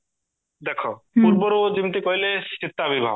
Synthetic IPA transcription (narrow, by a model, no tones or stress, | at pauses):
d̪ɛkʰo | puɾboɾod͡ʑint̪ekoɦilesit̪ːabibʱa̰